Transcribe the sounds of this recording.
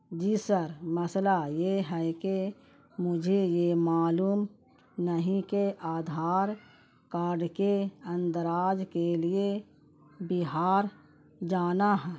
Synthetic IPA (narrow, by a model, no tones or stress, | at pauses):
d͡ʒisəɾməslajeɦɛke | mʊd͡ʒʱejemaːluːm | nəɦĩkeʔaːd̪ʱaːɾ | kaːɾɖkeə̃nd̪əɾaːd͡ʒkelie | bɪɦaːɾ | d͡ʒaːnaɦɛː